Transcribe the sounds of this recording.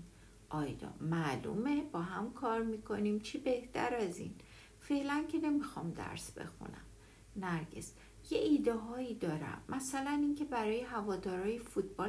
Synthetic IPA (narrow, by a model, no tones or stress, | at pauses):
ʔɒːjd̪ɒ̰ːmælṵmeb̥ɒːɦæmkʰɒːɾmiːkʰo̞niːmt͡ʃʰibeht̪ʰæ̰ɾæzḭn | fe̞ʔlæncʰene̞mixɒːmd̪æ̰ɾsb̥e̞̰xṵnæ̰m | næɾɟḛs | jeʔiːd̪eɦɒːid̪ɒːɾæ̰mːæsælæniːncʰe̞bæɾɒːjeɦævɒːd̪ɒːɾɒːjefut̪̚ʰb̥ɒː